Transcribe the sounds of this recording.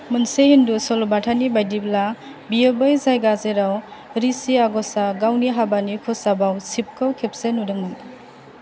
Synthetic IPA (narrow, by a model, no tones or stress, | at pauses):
mɯnsehindusɔlɔbatʰanibajdibla | biebɯjzajɡazeɾaw | ɾisiaɡɔsaɡawniɦabanikʰɔsabawsip̚kʰɯwkʰep̚senudɯŋmɯn